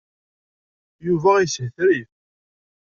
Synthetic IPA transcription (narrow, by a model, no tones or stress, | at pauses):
juvæishθɾiθ